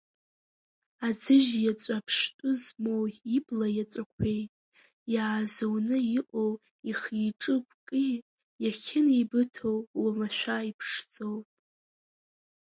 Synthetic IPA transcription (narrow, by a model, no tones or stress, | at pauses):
ad͡zɨʒjat͡sʷʼapʰʂtʼʊzmo̞wiblajat͡sʷʼakʷʰe̞jtʼ | jaːzownɨiʔʷʼow | iχiʈ͡ʂʼɨpʷʰʼkʼi | jaχʲʰɪnejbɨtʰowwamaʃᶣʷaipʰʂt͡sʼo̞wpʼ